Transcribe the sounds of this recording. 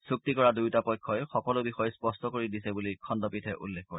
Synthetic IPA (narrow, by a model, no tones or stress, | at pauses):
suk̚tikɔɹadujtapɔjkʰːɔjxɔkɔlʊbixɔjɛspɔstɔkoɹidisɛbulikʰɔndɔpitʰɛʔṵlːekkoɹi